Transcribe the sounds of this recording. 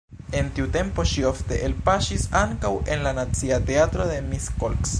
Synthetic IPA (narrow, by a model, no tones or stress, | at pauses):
e̞ntiute̞mpo̞ʃioft̪e̞ʔelpaʃisaŋkawe̞nlanat͡siat̪e̞at̪ɾode̞miskolks